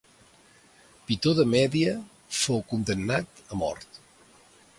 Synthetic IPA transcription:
pit̪oðəmɛðiə | fowkund̪ənːat̪əmɔ̰ɾt̪

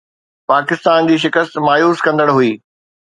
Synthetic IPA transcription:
paːkɪst̪aːnd͡ʑiːʃ̬ɪkəst̪maːjuːskɐ̃nd̪əɽɦuiː

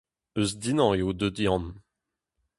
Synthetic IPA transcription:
øsd̪inɑ̃eod̪ød̪jɑ̃n

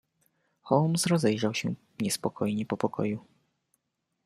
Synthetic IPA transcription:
xɔlmsɾɔzɛjʐawɕɛ̰ | ɲɛspɔkʰɔjɲɛpɔpɔkʰɔ̰ju

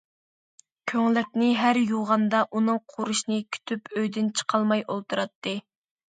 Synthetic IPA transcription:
kʲʰøŋlɪk̚ʲnɪɦæɾjuʁɑnd̪ɑʔunɨŋqʰuɾuʃnɨkʲʰy̥t̪ʰypøjd̪ɪnt͡ʃʰə̥qʰɑlˠmɑjolˠt̪ʰuɾɑt̪ʰːɨ

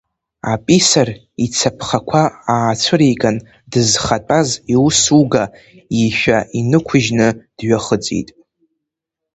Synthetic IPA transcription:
apʼisar | it͡sʰapʰχakʷʰaaːt͡sʷʰɨɾijkʼan | dɨzχatʼaziusuɡa | iʃᶣaʔinɨkʷʰʊʒnɨd̥ɥaχəd͡zḭtʼ

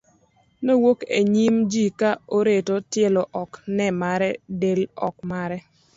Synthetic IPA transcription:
nowokḛɲimd͡ʒikaoɾetotjeloʔɔknɛmaɾɛdelɔk̚maɾɛ

